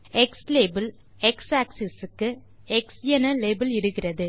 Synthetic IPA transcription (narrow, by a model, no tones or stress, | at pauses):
ɛksleːbɪl | ɛksaːksɪsɯkːɯ | ɛksjɛnɐleːbɐlɪɽɯɣɪrɐðɯ